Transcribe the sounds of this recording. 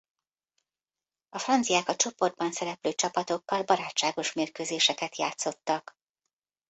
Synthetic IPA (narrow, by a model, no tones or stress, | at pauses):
ɒfrɒnt̪sijaːkɒt͡ʃo̞po̞rd̪̚bɒnsɛɾɛpløːt͡ʃɒpɒt̪o̞kːɒlbɒɾaːt͡ʃt͡ʃːaːɡo̞ʃmeːrkøːzeːʃɛkɛt̪jaːt̪so̞t̪ːɒk